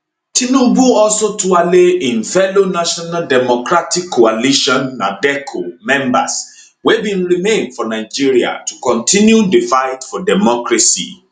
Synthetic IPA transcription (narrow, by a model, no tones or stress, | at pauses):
tĩnũbuɔlsotualeĩnfɛlonaʃɔnaldɛmɔkɹatikʰːoaliʃɔ̃nːadɛkʰomɛ̃mba̰s | webĩnɹimẽndfɔnaɪd͡ʒiɹia̰tu̥kɔ̃ntʰĩnjudefaɪtfɔdɛmɔkɹasḭ